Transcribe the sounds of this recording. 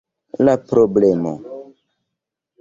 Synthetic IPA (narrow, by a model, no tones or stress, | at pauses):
lapɾoblemo̰